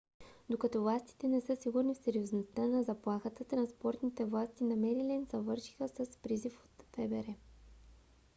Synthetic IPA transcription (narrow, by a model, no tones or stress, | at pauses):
d̪okɐt̪ɔvlˠast̪i̥t̪ɛnɛsɤsiɡuɾnifsɛɾioznost̪anɐzɐplˠaxət̪ət̪ɾɐnspɔɾt̪nit̪ɛvlˠast̪inɐmɛɾilɛnzɐvɤɾʃi̥xəsəspɾizifo̥t̪fɛbɛɾɛ